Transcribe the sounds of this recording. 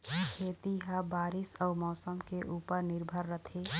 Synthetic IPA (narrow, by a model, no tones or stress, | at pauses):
kʰeːt̪iɦabaːɾisɔːmɔːsəmkeʔuːpəɾnɪɾbʱəɾːət̪ʰe